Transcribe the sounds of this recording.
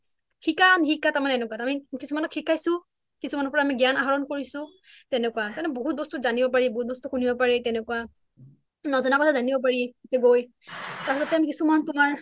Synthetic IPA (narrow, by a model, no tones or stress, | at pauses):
xikanxikːataɹmanɛɛnɛkatamikisumanɔkxikʰːajsʊ̃ | kisumanɔɹpɔɹaːmiɡjanaɦaɹɔnkoɹisʊ̃ | tɛnɛkwatanɛboɦut̚bɔstuzanibɔpaɹiboɦut̚bɔstuxunibɔpaɹitɛnɛkuwa | nɔzɔnakɔtʰazanibɔp̬aɹikɛɡoj | taɹsɔtɛamikisumantʊmaɹ